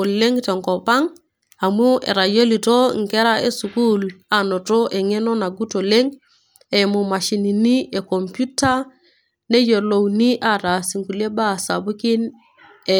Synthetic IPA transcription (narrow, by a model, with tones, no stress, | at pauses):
o˨le˦ŋte˨ŋko˨pa˦ŋ | a˨mu˦ḛ˨ɾa˨jo˦li˨to˦ŋke˦ɾa˦ḛ˨su˨ku˦la˨no˨to˦ʔe˨ŋe˦no˦na˨ɡu˦to˨le˦ŋ | e˨mu˨ma˨ʃi˨ni˨ni˦ʔe˨ko˨mpu˦ta˦ | ne˦jo˨lo˨wni˦ʔa˨ta˨si˨ŋku˨le˦ba˦sa˨bu˦ki˦n | e˨